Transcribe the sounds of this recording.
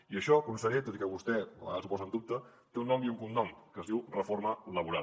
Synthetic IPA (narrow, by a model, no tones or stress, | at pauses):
iəʃɔkunsəɾet̪ot̪ikɛβust̪ɛ̰asupɔzənd̪up̚t̪ə | t̪eunːɔmiuŋkumnɔmkəzðiwrəfoɾmələβ̞uɾa